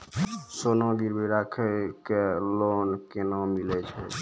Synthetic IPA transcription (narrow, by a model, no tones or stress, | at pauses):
sonɔɡiɾbiɾakʰɛkelonkenamilɛt͡ʃʰɛ